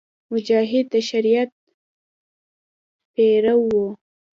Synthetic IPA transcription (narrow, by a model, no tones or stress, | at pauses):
mʊd͡ʒɑɦɪd̪aʃaɾijat̪̚ | peɾawːo